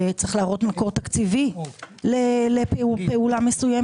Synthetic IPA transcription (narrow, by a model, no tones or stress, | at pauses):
t͡sʁeχlaːʁo̞t̪mako̞ʁt̪akt͡sivileleppeulamesuje